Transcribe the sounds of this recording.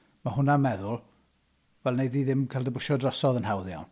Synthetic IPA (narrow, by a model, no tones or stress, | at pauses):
maɦʊnamɛðʊlˠ | vɛlˠnejdiðɪmkʰalˠdəbʊʃɔdrɔsɔðənhawðja̰wn